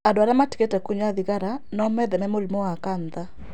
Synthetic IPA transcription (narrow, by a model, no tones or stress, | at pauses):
adwaɾamati̥ketɛkuɲaðiɣaɾanɔmɛðɛmɛmolimɔwakanða